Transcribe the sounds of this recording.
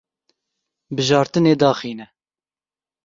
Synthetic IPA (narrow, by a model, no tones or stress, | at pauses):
bɨʒɑːɾt̪ɨneːd̪ɑːχiːnɛ